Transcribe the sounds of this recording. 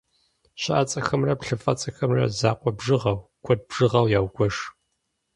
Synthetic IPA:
ɕɐʔat͡sʼɐxɐmrɐpɬɨfʼɐt͡sʼɐxɐmrɐ̰zaːqʷʼɔbʐɨʁɐwkʷʰɔd̚bʒ̥ɨʁɐwjaːwɡʷɔʂ

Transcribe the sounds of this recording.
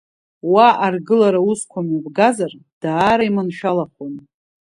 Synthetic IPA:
waʔarɡɨlaɾauskʷʰamabɡazard̥aːɾaimanʃᶣalakʷon

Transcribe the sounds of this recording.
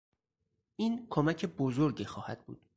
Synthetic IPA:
ʔiːnkʰomæcʰe̞bozoɾɟiːxɒːhæd̪̥̚bṵːd̪̥

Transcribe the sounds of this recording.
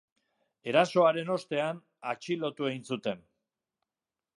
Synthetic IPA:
e̞ɾaso̞aɾe̞no̞st̪e̞an | at͡ʃilo̞t̪ue̞insut̪e̞n

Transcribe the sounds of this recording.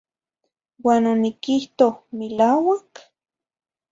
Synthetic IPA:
waːnonikiht̪ohmilaːwak

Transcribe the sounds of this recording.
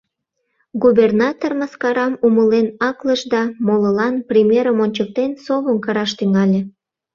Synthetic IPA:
ɡubʲernɑt̪orməskɑɾɑmuməlenɑkləʃd̪ɑmoləlɑnprʲimʲjeɾəmonʲt͡ɕək̚t̪ensoβəmkɑɾɑʃt̪yŋɑlʲe

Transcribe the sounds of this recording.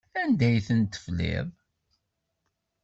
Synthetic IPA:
ænd̪æjθənt̪ːə̥flḭð

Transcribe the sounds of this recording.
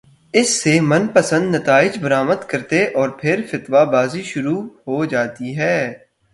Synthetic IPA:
ɪsːemɐnpəsə̃nd̪nɐt̪aːɪd͡ʒbɐɾaːməd̪kɐɾt̪eʔɔːɾpʰɪɾfɪt̪ʋabaːziʃʊɾuɦoːd͡ʒaːt̪iɦɛː

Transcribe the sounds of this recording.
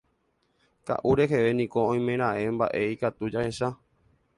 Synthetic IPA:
ka̰ʔuɾe̞ɦe̞ʋe̞nĩko̞õj̃mẽɾ̃aʔe̞mba̰ʔe̞ikat̪ud͡ʒahe̞ʃa

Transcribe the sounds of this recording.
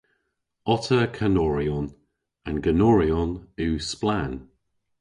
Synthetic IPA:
ɔtʰəkʰanɔɹiɔn | ənɡənɔɹiɔnʉːsplan

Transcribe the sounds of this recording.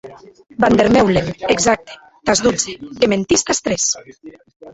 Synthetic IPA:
band̪eɾmɛwleneɡzak̚t̪e̥ | t̪azðud͡zeement̪ist̪ast̪ɾes

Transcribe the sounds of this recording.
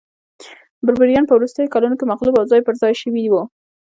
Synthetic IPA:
bʊɾbaɾijɑnpəwɾust̪əjokalunokemaqlubawzɑjpəɾzɑjʃəwid̪iwu

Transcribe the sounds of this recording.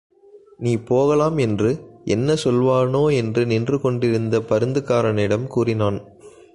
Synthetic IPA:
niːpoːɣɐlaːmɛndrɯʔɛnːɐsɔlʋaːɳoːɛndrɯnɪndrɯkɔɳɖɪɾɯnd̪ɐpɐɾɯnd̪ɯkaːɾɐnɪɽɐmkuːrɪnaːn

